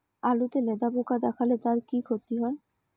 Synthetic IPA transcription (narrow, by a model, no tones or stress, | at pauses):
alut̪eled̪abokad̪ɛkʰalet̪aɾkikʰot̪iɦɔe